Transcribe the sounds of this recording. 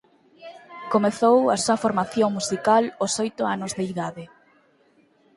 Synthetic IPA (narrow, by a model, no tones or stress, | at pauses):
komeθowasuɐfoɾmaθjoŋmusikalosɔjt̪ʊanʊzðeiðaðɪ